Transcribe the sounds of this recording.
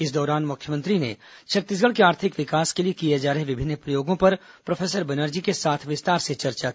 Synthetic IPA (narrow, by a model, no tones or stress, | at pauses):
ɪsd̪ɔːɾaːnmʊkʰjəmə̃nt̪ɾinḛ | t͡ʃʰɐɾt̪ɪsɡəɭkeaːɾt̪ʰɪkʋɪkaːskeliekied͡ʒaːɾəɦeʋɪbʱɪnːpɾəjoːɡõpɐɾ | pɾofʰeːsəɾbɐnəɾd͡ʒikesaːt̪ʰʋɪst̪aːɾset͡ʃɐɾt͡ʃa